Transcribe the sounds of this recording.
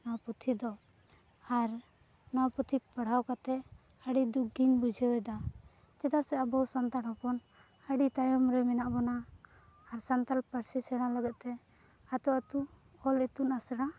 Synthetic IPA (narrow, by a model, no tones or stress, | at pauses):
nɔwaput̪ʰid̪ɔ | aɾ | nɔwput̪ʰipəɽ̤awkat̪ɛ | əɖid̪ukɡinbud͡ʒʱɛwɛd̪a | t͡ʃɛd̪asɛabɔwsant̪aɽhɔpɔn | əɖit̪ajɔmɾɛminaʔbɔnaː | ɾsant̪alpəɾsisɛɽ̃aləɡɛt̪̚ˀt̪ɛ | at̪ɔat̪u | ɔlit̪unasɽa